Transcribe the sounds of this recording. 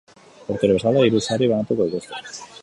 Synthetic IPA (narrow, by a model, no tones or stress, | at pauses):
oɾt̪eɾeesalaiɾusariβanat̪ukoit̪est̪e